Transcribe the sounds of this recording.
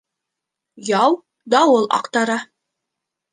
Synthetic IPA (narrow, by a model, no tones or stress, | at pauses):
jɑw | d̪ɑwɤlˠɑ̰qt̪ɑɾɑ